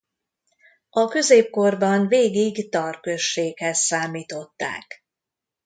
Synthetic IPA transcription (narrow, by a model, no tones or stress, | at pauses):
ɒkø̞zeːp̚ko̞rbɒnveːɡiɡt̪ɒrkøʃːeːkhɛsːaːmiːt̪o̞t̪ːa̰ːk